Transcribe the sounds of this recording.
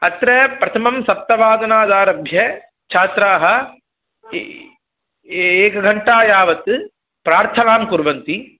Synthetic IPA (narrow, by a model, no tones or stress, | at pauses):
ɐt̪ɾɐpɾɐt̪ʰɐmɐmsɐp̚t̪ːɐʋaːd̪ɐnaːd̪aːɾɐbʱjɐ | t͡ʃʰaːt̪ɾaːɦɐ | eːkɐɡʱɐɳʈaːjaːʋɐt̪ɨ | pɾaːɾt̪ʰɐnaːmkuɾʋɐnt̪i